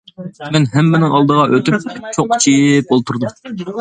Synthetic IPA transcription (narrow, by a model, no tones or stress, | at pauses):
mɛnɦɛmːɪnɪŋɑlˠd̪əʁɑʔøt̪yp̚t͡ʃʰoq̚t͡ʃʰijɪp̚olˠt̪ʰuɾd̪u